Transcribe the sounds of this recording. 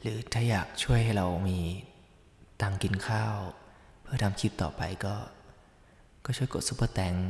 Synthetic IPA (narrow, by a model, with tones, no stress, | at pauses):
ɾɯː˩˦t̪ʰaː˥˩jaː˨˩k̚t͡ɕʰu˥˩əjɦa˥˩jɾa˧wmiː˧ | t̪aː˧ŋki˧nkʰaː˥˩ww | pʰɯ˥˩ɐt̪a˧mt̪ʰiː˥˩t̪ɔ̰ː˨˩pa̰˧jkɔː˥˩ | kɔː˥˩t͡ɕʰu˥˩əjko˨˩t̪̚su˧˥˩pɤː˧˩t̪ɛ˩˦ŋ